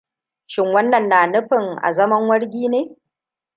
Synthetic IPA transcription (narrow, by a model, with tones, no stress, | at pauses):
ʃɪ˦ŋwɐ˦nːɐ˨nːaː˨nʊ˦ɸɪ˨ŋʔa̰˨zɐ˦mɐ˦ŋwɐ˦ɽɡʲiː˦neː˦